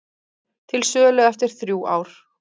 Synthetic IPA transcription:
t̪ʰɪlsœːlœɣɛft̪ɪɾ̥θɾjuːa̰ːwɾ̥

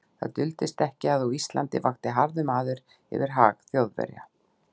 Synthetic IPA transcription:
θa̰ðt̪ʏlt̪ɪst̪ɛhcɪaðɔist̪la̰nt̪ɪvaxt̪ɪɦaɾðʏmaːðɪɾ̥ | ɛ̰vɪɾ̥ɦa̰ːɣθjowðvɛ̰ɾja̰

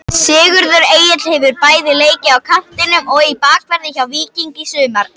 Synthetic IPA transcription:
sɪːɣʏɾðʏɾeːjɪt̪l̥hɛjvʏɾpaːjðɪleːjcɪawkʰan̥t̪ɪnʏmɔɣipaːkvɛɾðɪçawviːciŋcɪsʏːmaɾ

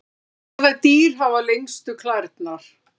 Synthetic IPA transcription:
θajt̪iːɾ̥ɦavalejŋst̪ʏkʰlajɾt̪naɾ̥

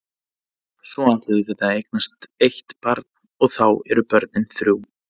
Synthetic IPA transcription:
sɔat̪lʏðʏθɛt̪aejk̚nast̪ejht̪paɾt̪n | ɔɣθawɛɾʏpœɾt̪nɪnθɾjuːw

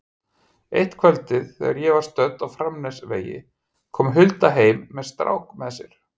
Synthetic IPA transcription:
ḛjht̪kʰvɛlt̪ɪðθɛ̰ɣaɾjɛvaɾ̥st̪œt̪awfɾamnɛsvḛːjɪ̰ | kʰɔːmɦʏlt̪aɦeːjmːɛðst̪ɾa̰wkmɛðsjɛɾ̥

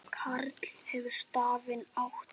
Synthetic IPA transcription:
kʰaɾt̪l̥hɛvʏɾ̥st̪aːvɪnawht̪

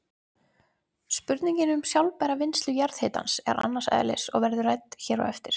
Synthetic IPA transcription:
spʏɾt̪niɲcɪnʏmsjawlpajɾavɪnst̪lʏjaɾðhɪːt̪a̰nsɛ̰ɾa̰nːasɛ̰ːðlɪ̰sɔ̰ɣvɛɾðʏrajt̪çɛːɾɔ̰ɛft̪ɪɾ̥

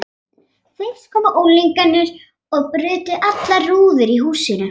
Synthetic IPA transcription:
θejskʰɔːmaʔowliŋkanːʏɾ̥ | ɔɣpɾʏːt̪ʏʔat̪laruːðʏɾiɦuːsɪnʏ

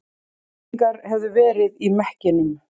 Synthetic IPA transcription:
kaɾhɛvðʏvɛːɾɪðimɛhcɪnʏm

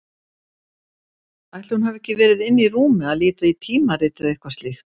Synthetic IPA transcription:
ajht̪lɪhunhavɛhcɪvɛːɾɪðɪnːiruːmɪaðliːt̪ait̪ʰiːmaɾɪːt̪ʏðehkvast̪lɪxt̪

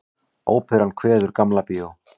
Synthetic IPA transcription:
oːwpʰɪɾankʰvɛːðʏɾ̥kamlapiːðo

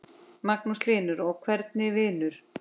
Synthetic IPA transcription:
maknust̪ɪːnʏɾɔɣkʰvɛɾt̪̚nɪvɪːnʏɾ̥

